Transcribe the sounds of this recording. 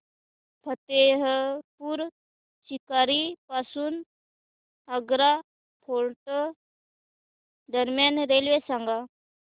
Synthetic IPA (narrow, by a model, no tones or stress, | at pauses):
pʰət̪eɦəpuɾ | sikaːɾipasun | əɡɾa | pʰoɾʈ | d̪əɾmjanɾelʋesaŋɡa